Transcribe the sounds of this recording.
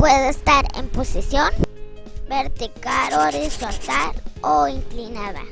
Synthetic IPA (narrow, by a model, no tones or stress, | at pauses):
pweðeest̪aɾḛmposisjon | beɾt̪ikaɾoɾisat̪aɾoiŋklinaða̰